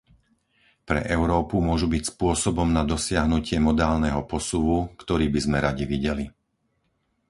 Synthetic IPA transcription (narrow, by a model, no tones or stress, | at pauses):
pɾɛ̰ʔɛʊɾɔːpumʊɔʒubicspʊɔsɔbɔmnad̪ɔsɪaɦnucɪɛmɔd̪aːlnɛɦɔpɔsuʋukt̪ɔɾiːbizmɛɾaɟiʋiɟɛli